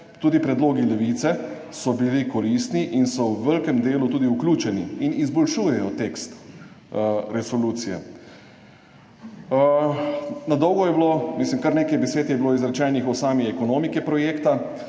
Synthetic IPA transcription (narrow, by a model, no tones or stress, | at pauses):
t̪uːd̪ipɾɛd̪loːɡilɛʋit̪sɛ | sɔbilikɔlist̪niʔinsɔwʋəlkɛmd̪eːlut̪uːd̪iuklʲuːt͡ʃɛnḭinizbɔlʃuːjɛjɔt̪ekst̪ | ɾɛsɔluːt̪sijɛ̰ | nad̪ɔwɡɔjɛblomislimkaɾneːkajbɛseːt̪jɛbloːizɾat͡ʃɛjnixɔsaːmiɛkɔnoːmikɛpɾɔjeːkt̪a